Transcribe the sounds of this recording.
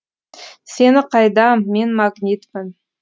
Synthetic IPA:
se̞nɪqʰɑjd̪ɑmenmaɡnʲit̪mɪn

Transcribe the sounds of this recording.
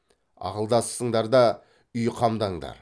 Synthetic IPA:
ɑ̰qəlˠd̪ɑssəɴd̪ɑɾd̪ɑ | ʏjqʰɑmd̪ɑɴd̪ɑ̰ɾ

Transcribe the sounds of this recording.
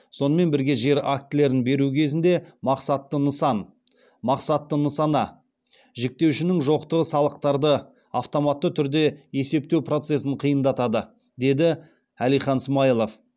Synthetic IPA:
so̞nəme̞nbɪɾɡʲe̞ʒe̞ɾak̚t̪ɪle̞ɾɪnbe̞ɾukʲʰe̞zɪnd̪e̞mɑqsɑt̪ːənəsɑn | mɑqsɑt̪ːənəsɑnɑ | ʒek̚t̪e̞wʃɪnɪŋʒo̞qt̪əʁəsɑlˠəq̚t̪ɑɾd̪ə | ɑft̪o̞mɑt̪ːət̪ʰʏɾd̪e̞je̞se̞p̚t̪e̞wpro̞t̪se̞sɪɴqʰijənd̪ɑt̪ɑd̪ə | d̪e̞d̪ɪ | ælijχɑnsmɑjlˠof

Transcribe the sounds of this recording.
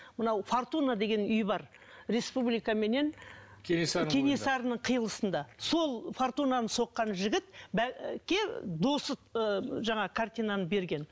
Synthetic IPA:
mənɑwfort̪unad̪e̞ɡʲe̞nʏjbɑɾ | ɾe̞spublijkɑme̞ne̞nkʲʰeneskʲʰene̞sɑɾənəɴqʰəjəlˠəsənd̪ɑso̞lˠfoɾt̪unanəso̞qːɑnʒɪɡʲɪt̪bækʲːe̞d̪o̞səəʒɑɴɑkʰart̪ʲijnanəbe̞ɾɡʲe̞n

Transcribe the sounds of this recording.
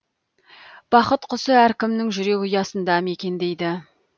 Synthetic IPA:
b̥ɑqət̪qʰʊsəæɾkʲɪmnɪŋʒʏɾe̞kʲʊjɑsənd̪ɑme̞kʲe̞nd̪e̞jd̪ɪ

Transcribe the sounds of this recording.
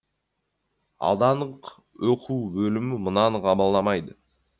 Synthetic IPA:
ɑ̰lˠd̪ɑnəq | woqʰuwbɵlɪmɪmənɑnʁɑbɑlˠːɑmɑjd̪ə

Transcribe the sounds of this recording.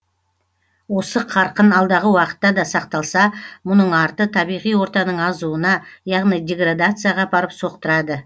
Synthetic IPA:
wo̞səqʰɑɾqənɑlˠd̪ɑʁəwɑqə̥t̪ːɑd̪ɑsɑq̚t̪ɑlˠsɑmʊnəɴɑɾt̪ət̪ʰɑbijʁijwo̞ɾt̪ɑnəɴɑzuənɑjɑʁnijd̪ʲe̞ɡɾad̪at̪sɨjaʁɑbɑɾəpso̞q̚t̪əɾɑd̪ə

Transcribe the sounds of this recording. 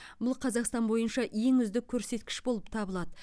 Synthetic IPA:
bʊlˠqʰɑzɑqst̪ɑnbo̞jənʃɑje̞ŋʏzd̪ɪkʲʰːɵɾse̞t̪kʲɪ̥ʃbo̞lˠəp̚t̪ʰɑbəlˠɑd̪ə

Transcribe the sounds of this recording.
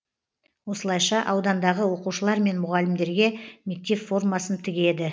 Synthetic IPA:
wo̞səlˠɑjʃɑʔɑwd̪ɑnd̪ɑʁəwo̞quʃəlˠɑɾme̞nmʊʁɑlɪmd̪e̞ɾɡʲe̞mʲik̚t̪ːeffo̞rmɑsənt̪ʰɪɡʲe̞d̪ɪ

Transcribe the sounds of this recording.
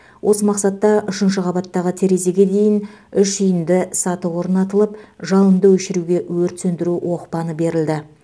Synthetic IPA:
wʔo̞səmɑqsɑt̪ːɑʔʏʃɪnʃ̬əqʰɑbɑt̪ːɑʁət̪ʰeɾe̞ze̞ɡʲe̞d̪e̞jɪnʏʃʏjɪnd̪ɪsɑt̪əwo̞ɾnɑt̪əlˠəpʒɑlˠənd̪əwɵʃɪɾuɡʲe̞wɵɾt̪sɵnd̪ɪɾuwʔo̞qpɑnəbe̞ɾɪld̪ɪ

